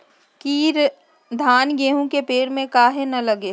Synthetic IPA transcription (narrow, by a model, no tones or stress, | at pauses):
kiːɾ | d̪ʱaːnɡeːɦũkepeːɾmẽkaːɦenɐlɐɡe